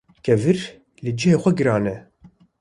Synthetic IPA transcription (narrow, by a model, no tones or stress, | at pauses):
kʰɛvɨɾ | lɨd͡ʒɪheːxʷɛɡɨɾɑːnɛ